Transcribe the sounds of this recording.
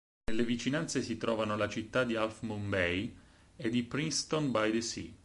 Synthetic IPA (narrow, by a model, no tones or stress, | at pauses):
nelːevit͡ʃinant̪sesit̪ɾɔːvanolat͡ʃit̪ːad̪ialfmumbɛj | ed̪ːipɾinst̪onbajd̪esḭ